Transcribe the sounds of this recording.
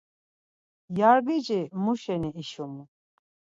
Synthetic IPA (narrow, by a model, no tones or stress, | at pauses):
jaɾɡid͡ʒimuʃɛniiʃumu